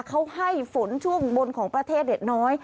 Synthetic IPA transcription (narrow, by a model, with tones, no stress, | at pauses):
kʰa˧˥wha˧˥˩jfo˨˩˦nt͡ɕʰu˧˥˩əŋɓo˧nkʰɔː˩˦ŋpɾa˧t̪ʰeː˥˩t̪̚li˨˩t̪̚nɔː˨˦˥j